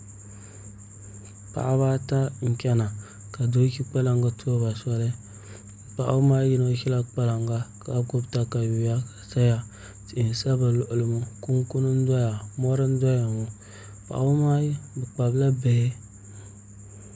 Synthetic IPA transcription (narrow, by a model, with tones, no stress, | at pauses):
pa̰˨ʔβa˦ta˦ŋ̩˨kʲa˦na˨ | ka˨do˦ki˦k͡pa˦la˦ŋɡa˦tʰo˦ba˨sa˦le˦ | pa˨ʔu˦ma˦ji˦no˦ki˦la˦k͡pa˦la˨ŋɡa˦ka˨˦ko˦bta˨ka˨ju˨ja˦ka˨sa˦ja˦ | ti˨ʔi˨n˨sa˦ba˨lo˨ʔlmu˦ku˦ŋku˦nu˦n˦da˦ja˨mo˦ɾi˦n˦dʷa˦ja˨mu˨ | pa̰˨ʔa˨wu˦ma˦bɨ˨k͡pa˨bla˦be˨je˦